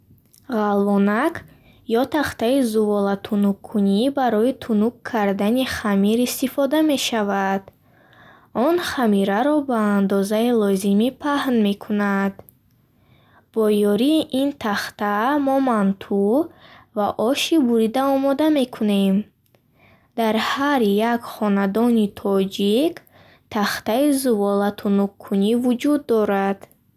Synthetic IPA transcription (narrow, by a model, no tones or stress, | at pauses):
ʁalːɔnak | jɔt̪ʰaχt̪aizuvɔlat̪ʰunukʰːunibaɾɔit̪ʰunukʰːaɾd̪aniχamiɾist̪ifɔd̪ame̞ʃavad̪̥ | ɔnχamiɾaɾɔbaːnd̪ɔzailɔzimipʰahnme̞kʰunad̪ | b̥ɔjɔɾiːʔint̪ʰaχt̪amɔmant̪ʰu | vaʔɔʃibuɾid̪aɔmɔd̪ame̞kʰune̞m | d̪aɾhaɾjakχɔnad̪ɔnit̪ʰɔd͡ʒik | t̪ʰaχt̪aizuvɔlat̪ʰunuqʰːunivud͡ʒud̪ːɔɾad̪̥